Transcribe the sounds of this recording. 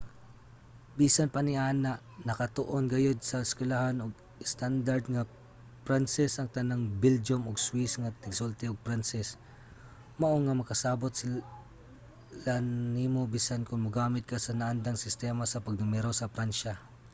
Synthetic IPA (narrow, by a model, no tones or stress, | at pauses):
biːsanpɐnɪʔaːnaʔ | nɐkɐt̪oʔonɡɐjod̪̚sɐɪskwɛlahanoɡ | ɪst̪and̪aɾd̪̚ŋa | pɾansɛsʔɐŋt̪ɐnaŋbɪld͡ʒomoɡswisŋɐt̪ɪɡsolt̪ɛoɡ̚pɾansɛs | mɐʔoŋɐmɐkɐsaːbot̪̚sɪ | lanimobisankʊŋmʊɡaːmɪt̪̚kasɐnaʔand̪aŋsɪst̪ɛːmasɐpɐɡ̚d̪nʊmɛɾosɐpɾanʃa